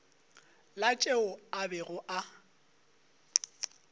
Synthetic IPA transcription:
lat͡ʃʼeʊabɛɣʊʔa

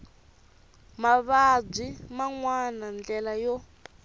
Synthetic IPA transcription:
maβab͡ʐimaŋwanand͡ɮɛlajɔ

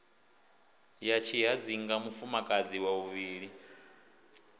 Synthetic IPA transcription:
jat͡ʃʰiɦad͡ziŋɡamufumakʼad͡ziwauβiːɺi

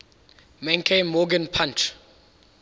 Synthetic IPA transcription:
mẽnkʰẽnmɔɡə̃npʰãnt͡ʃ

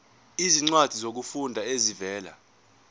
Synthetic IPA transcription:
iziŋ͡ǀwad̥ʱizok̬ufundʱaezivɛːla̰

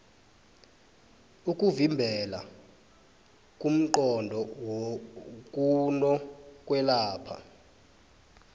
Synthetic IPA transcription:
uk̬ʼuvimbʱɛla̰ | kʼum̩ǃɔndʱɔwok̬ʼunɔkʼwɛlaːpʰa̰

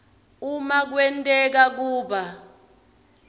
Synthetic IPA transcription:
umak̬wɛntʼɛk̬ak̬uːɓa

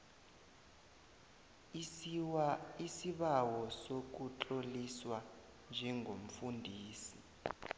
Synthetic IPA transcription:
wisiɓawɔsok̬ut͡ɬoliswa | nd͡ʒʱɛŋɡʱom̩fundʱiːsi

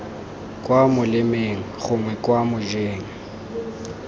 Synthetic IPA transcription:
kʼwamʊlɪmeŋ̩χʊŋwɛkʼwamʊd͡ʒeːŋ̩

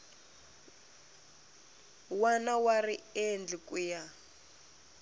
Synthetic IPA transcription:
wanawariend͡ɮikʼuja

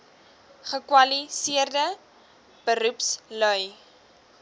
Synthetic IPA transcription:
χəkwɐlisiərdə | b̥əɾupslœj

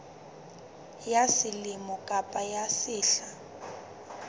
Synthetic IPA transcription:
jasɪlɪmɔkʼapʼajasɪːɬa

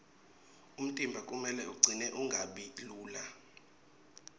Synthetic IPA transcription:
um̩tʼimbʱakʼumɛlɛuɡ͡ǀʱinɛʔuŋɡʱaɓiluːla

